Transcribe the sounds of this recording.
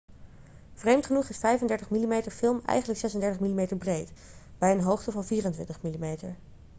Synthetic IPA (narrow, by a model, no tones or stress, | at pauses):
v̥rejmtχənuχɪsfɛjfəndɛɹtəχmilimejtəɹfɪlˠmɛ̰jχəndləksɛsəndɛɹtəχmilimejtəɹbrejtb̥ɛjənɦowχtəvɑnviːrəntʋɪ̰ntəχmilimejtəɹ